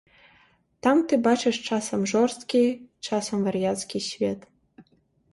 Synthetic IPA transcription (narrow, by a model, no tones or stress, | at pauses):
t̪amt̪ɨbɑt͡ɕeʂt͡ʃɑsəmʐorst̪kʲit͡ʃɑsəmvɐrʲjat̪skʲiɕvʲet̪